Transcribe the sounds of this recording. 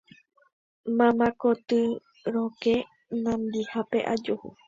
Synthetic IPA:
mãmãkot̪ɨ | ɾoke | nãmd̪ihapeʔad͡ʒohṵ

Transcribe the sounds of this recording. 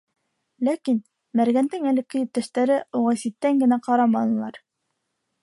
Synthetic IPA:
lækin | mæɾɡænd̪ɘŋælɘkɵ̆jɘ̆p̚t̪æʃt̪æɾɘuʁɑsit̪ːæŋɡɘ̆næqɑɾɑmɑnɤ̆lˠɑɾ

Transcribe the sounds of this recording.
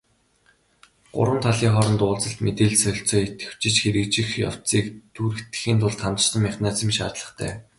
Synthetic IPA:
ɢ̥ʊ̰ɾwə̆nt̪ʰaɮiːŋχɔɾɞ̆nt̪ʊːɮt͡sə̆ɬt̪met̪eːɮsœɬʲt͡sɔːet̪ɡɘ̥̆w̥t͡ɕɪ̆t͡ɕxeɾɘ̆kt͡ɕɪ̆xja̰w̥t͡siːkt̪ʰuɾɘ̆xt̪ɘ̥̆xiːnt̪ʰʊɮt̪ʰːant̪ə̥̆ʃt̪ə̆mːæχʲnaːt͡sĭmʃa̰ːt̪ɮə̥̆χt̪ʰæ̰ː

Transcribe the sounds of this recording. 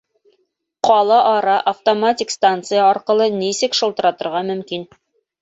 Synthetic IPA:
qɒlˠɑʔɒɾɑʔɐft̪omatʲikst̪ant̪sɨjəɒɾqɤ̆lˠɤnisɘkʃɤ̆lˠt̪ɤ̆ɾɑt̪ɤ̆ɾʁɑmɵ̆mkin

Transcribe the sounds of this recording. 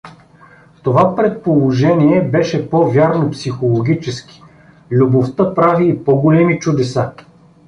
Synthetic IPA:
ft̪ovapɾɛt̪̚polˠoʒɛniɛbɛʃɛpɔvʲjaɾnopsixolˠoɡʲit͡ʃɛskʲi̥ | lʲuboft̪ɤpɾaviːpɔɡolɛmit͡ʃud̪ɛsa

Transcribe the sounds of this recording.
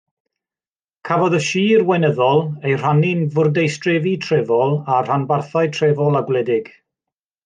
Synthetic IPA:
kʰavɔðəʃiːrwɛnəðɔlˠejr̥anɪnvʊrdejstrɛvitʰrɛvɔlˠar̥anbarθaɨtʰrɛvɔlˠaɡwlɛdɪɡ̥

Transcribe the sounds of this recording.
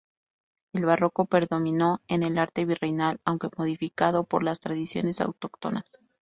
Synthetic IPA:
e̞lβaro̞ko̞pe̞ɾðo̞mĩno̞e̞ne̞laɾt̪e̞βirenalawŋke̞mo̞ðifikaðo̞po̞ɾlast̪ɾaðisjo̞̰ne̞sa̰wt̪o̞kt̪onas

